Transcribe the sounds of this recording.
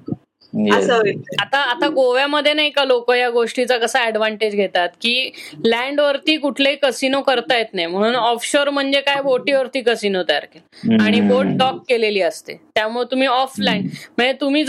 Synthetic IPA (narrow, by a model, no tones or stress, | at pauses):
əsəat̪aːt̪aɡoʋjaməd̪ʱːjenaɦikalokəjaɡoʂʈit͡sakəsaɛɽʋaɳʈed͡ʑɡʱet̪at̪kiːlɛ̃ɳɖʋəɾt̪iːkuʈʰleiːkəsinokəɾt̪ajet̪najm̤əɽ̃uːnɔfɕoɾm̤əɳd͡zekajboʈiːʋəɾt̪iːkəsinot̪əja̰ɾkelaɽ̃iboʈ̚ɖɔkːeleliːəst̪ḛt̪jamuɭt̪um̤iːɔflaiɳm̤əɳd͡zet̪um̤iːd͡z